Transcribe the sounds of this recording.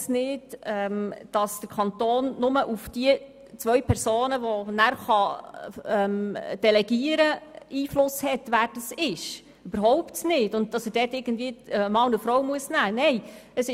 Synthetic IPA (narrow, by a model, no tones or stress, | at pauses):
snɪdɛmd̥ɑsd̥əɾkʰɑnt̪oːnːʊməʔufd̥iə | t͡sʋœɥpʰɛɾsoːnəʋɔnæɾχɑ | ɛmd̥ɛlɛɡiəɾəiːflʊshɛtʋæːɾd̥ɑsɪʃ | yb̥əɾɦɔwptnɪdʊnt̚d̥ɑsəd̥ɛːtɪɡ̥ən̩dviəəmɑʊnəfɾɔwmuəsnæːnɛjəsɪ